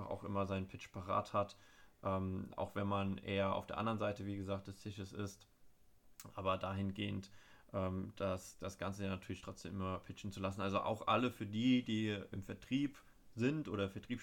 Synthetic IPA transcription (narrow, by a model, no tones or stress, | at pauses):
aχa̰ʊxʔɪ̰mɐzaɪnənpʰɪt͡ʃpʰaʁa̰ːthatʔɛːmʔa̰ʊxv̥ɛnmanʔeːɐa̰ʊfd̥eːɐʔa̰ndɐʁənzaɪtəviːɡəzaːk̚td̥ɛst͡sɪʃəsɪ̰st | ʔaːbɐdaːhɪnɡeːəntʔɛːmd̥asd̥asɡ̥ant͡səjanatʰyːɐlɪçtʁ̥ɔt͡sd̥eːmʔɪmɐpʰɪt͡ʃn̩t͡sulasn̩ʔalzoʔa̰ʊxʔa̰ləfyːɐdiːdiːɪmfɛɐtʁ̥iːp | zɪntʔoːɾɐfɛɐtʁ̥iːp